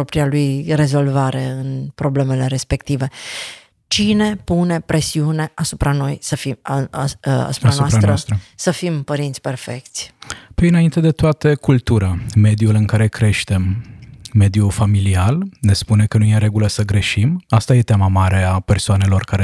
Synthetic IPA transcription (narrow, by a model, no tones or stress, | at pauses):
opɾialujre̞zo̞lvaɾe̞ɨnpɾo̞ble̞me̞le̞ɾe̞spe̞kt̪ive̞ | t͡ʃine̞pune̞pɾʔe̞siune̞ʔasupɾano̞jsəfi | a̰supaɾaoasɾant̪ɾəast̪ɾəsəfimpəɾint̪sʲpe̞rfe̞k̚t̪sʲpinaint̪e̞d̪e̞t̪oat̪əkult̪uɾame̞d̪julɨŋkaɾe̞kɾe̞ʃt̪e̞mː | e̞d̪jufamilialne̞spune̞kənujeɾe̞ɡuləsəɡɾe̞ʃimast̪aje̞t̪jamamaɾe̞apersoane̞lo̞rkaɾe